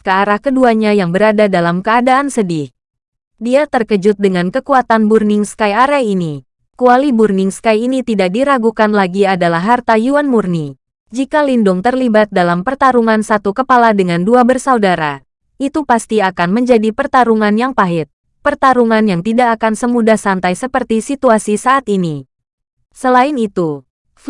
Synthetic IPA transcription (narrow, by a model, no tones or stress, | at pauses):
kəaɾahkəduaɲajaŋbəɾadadalamkəadaːnsədɪh | diat̪ərkəd͡ʒʊt̪̚dəŋankəkuat̪anburnɪŋskajaɾahini | kualiburnɪŋskajinit̪idak̚diɾaɡukanlaɡiadalaɦːart̪ajuanmurni | d͡ʒikalindʊŋt̪ərlibat̪̚dalampərt̪aɾuŋansat̪ukəpaladəŋanduabərsaudaɾa | ʔit̪upast̪iakanməɲd͡ʒadipərt̪aɾuŋanjaŋpaɦɪt̪̚ | pərt̪aɾuŋanjaŋt̪idaʔːkansəmudahsant̪ajsəpərt̪isit̪uasisaʔːt̪ini | səlaɪnit̪u